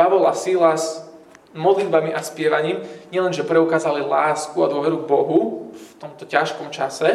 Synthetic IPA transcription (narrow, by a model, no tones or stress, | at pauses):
paʋɔlasilaz | mɔd̪lid̪̚bamiʔaspɪɛʋaɲiːmɲɪɛlɛnʒɛpɾɛukaːzalilaːskuad̪ʊɔʋɛɾuɡbɔɦuft̪ɔmt̪ɔcaʃkɔmt͡ʃasɛ